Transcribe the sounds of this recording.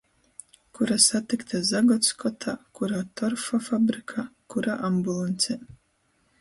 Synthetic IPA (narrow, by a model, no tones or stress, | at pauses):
kuɾasat̪ikt̪azaɡɔt̪skɔt̪ʰakuɾaːt̪ɔɾfɔfabɾikʰakuɾaːʔambulˠanʲt̪sʲɛ